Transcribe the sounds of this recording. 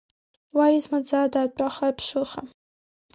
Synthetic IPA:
waizmad͡zadaːt͡pʼaχapʰʂɨχa

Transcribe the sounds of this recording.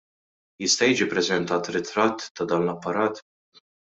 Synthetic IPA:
jɪst̪ɐjiːd͡ʒipɾɛzɛnt̪ɐːt̪ɾɪt̪ɾɐt̪ːɐd̪ɐːnlɐpːɐɾɐːt̪

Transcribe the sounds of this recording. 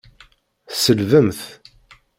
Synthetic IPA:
θsəlvəmθ

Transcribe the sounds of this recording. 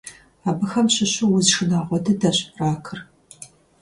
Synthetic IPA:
aːbɨxɐmɕɪɕʊwʊzʂɨnaːʁʷɔdɐdɐɕpʼraːkʰɨr

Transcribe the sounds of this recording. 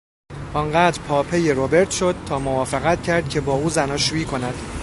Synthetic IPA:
ʔɒːŋɢæːd̪ɾpʰɒːpʰe̞jeɾobe̞ɾt̪ʰʃo̞d̪̥̚t̪ʰɒːmovɒːfeɣæt̪̚cʰæɾd̪̚cʰe̞bɒːuːzænɒːʃuiːkʰo̞næd̪

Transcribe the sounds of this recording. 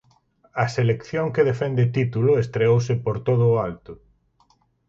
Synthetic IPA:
ɐselekθjoŋkeðefɛnd̪et̪it̪ulʊest̪ɾeowsɪpoɾt̪oð̞ʊːalt̪ʊ

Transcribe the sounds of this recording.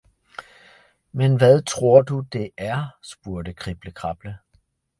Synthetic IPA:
menʋæðˠt͡sʰʁo̝ɐ̰d̥ud̥e̝ʔæɐsb̥uɐd̥əkʰʁib̥ləkʰʁɑ̈b̥lə

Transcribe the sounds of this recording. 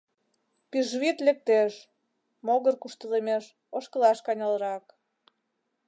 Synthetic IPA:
piʒβit̪lek̚t̪eʃ | moɣərkuʃt̪əlemeʃ | oʃkə̆lɑʃkɑnʲɑlɾɑk

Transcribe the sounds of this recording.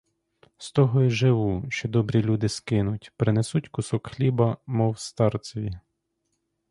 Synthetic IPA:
st̪ɔɦɔiʒɪʋuʃt͡ʃɔd̪ɔbɾʲilʲud̪ɪskɪnʊtʲpɾɪnesutʲkʊsɔkxlʲibɐmɔwst̪ɑrt͡s̪ʲʋʲi

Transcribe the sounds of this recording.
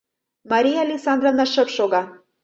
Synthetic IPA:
mɑɾʲijalʲiksɑnd̪ɾonɑʃɤ̆pʃoɣɑ

